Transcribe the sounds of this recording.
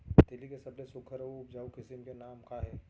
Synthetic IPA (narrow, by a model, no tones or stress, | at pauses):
t̪elikesɐblesʊkʰːəɾəːpd͡ʒaːukɪsɪmkenaːmkaːɦɛː